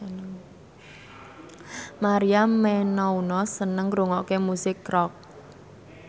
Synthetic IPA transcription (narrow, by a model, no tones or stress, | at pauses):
maɾiammɛnɔunɔsənəŋɡɾuŋɔʔkemusɪkːrɔk̚